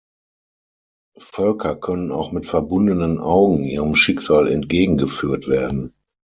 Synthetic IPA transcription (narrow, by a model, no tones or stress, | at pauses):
fœlkʰɐkʰœnəna̰ʊxmɪtfɛɐbʊndənənʔaʊɡŋ̩ʔiːʁəmʃɪkz̥aːlɛ̰ntɡ̥eːɡŋ̩ɡəfyːɐtv̥eːɐdn̩